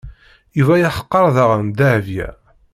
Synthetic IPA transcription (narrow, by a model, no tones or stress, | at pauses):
juvæjaħə̥qːɑɾˤðəʁənd̪æʕvjæ̰